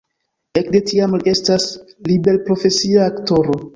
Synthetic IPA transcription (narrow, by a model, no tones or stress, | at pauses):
e̞kde̞tiamliʔe̞stas | libe̞lpɾo̞fe̞siaːkto̞ɾo̞